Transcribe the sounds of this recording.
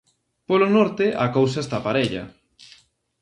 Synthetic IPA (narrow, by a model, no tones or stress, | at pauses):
polonɔɾt̪ɪʔɐkows̬ɐest̪apaɾeʎɐ̰